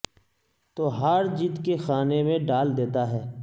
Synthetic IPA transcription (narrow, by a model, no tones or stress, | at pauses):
t̪oːɦɐɾd͡ʒit̪kexaːnemẽɖaːld̪eːt̪aɦɛː